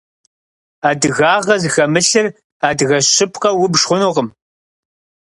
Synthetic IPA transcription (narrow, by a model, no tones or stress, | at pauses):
aːdɨɣaːʁɐzxɐmɨɬɨr | aːdɨɣɐɕɪpʰqɐwʊbʂχʷʊnuːʁəm